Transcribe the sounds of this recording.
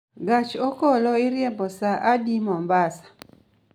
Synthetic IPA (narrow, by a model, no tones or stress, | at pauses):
ɡat͡ʃokɔlɔɪɾjembɔsaʔadimɔmbasḁ